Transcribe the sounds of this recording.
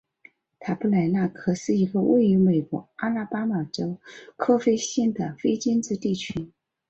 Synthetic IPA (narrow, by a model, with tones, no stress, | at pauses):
t̪ʰa˨˥˩pu˥˩la˧˥ɪna˥˩kʰɤ˧˩ʂɻ̩˥˩i˧˥ɡə˧wḛ˥˩ɪy˧˥me˨˩ɪkwɔ̰˧˥a˥la˥˧pa˥ma˨˩ʈ͡ʂo˥ʊkʰɤ˥fe˥ɪɕɛ˥˩nd̪ə˩fe˥ɪt͡ɕi˥nt͡sɹ̩˥˧t̪i˥˩t͡ɕʰy˥